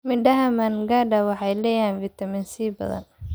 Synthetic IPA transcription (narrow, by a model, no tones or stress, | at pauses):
mɪɖɐɦɐmɐnɡaːɖɐwɑħɑjlɛːjaːnvit̪ʰɐmɪnsiːbɐ̰ðɐ̰n